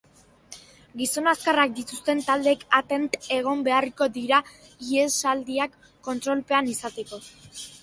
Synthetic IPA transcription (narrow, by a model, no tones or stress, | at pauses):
ɡiso̞naskarak̚d̪it̪ust̪e̞nt̪ald̪ekat̪e̞nt̪e̞ɣ̞o̞mbe̞ariko̞ðiɾa | iesald̪iakː | o̞nt̪ɾo̞lpe̞anisat̪eko̞